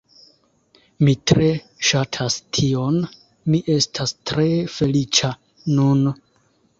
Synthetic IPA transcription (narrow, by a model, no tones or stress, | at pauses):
mitɾe̞ | ʃatʰastʰio̞n | miʔe̞stʰastɾe̞fe̞lit͡ʃa | nun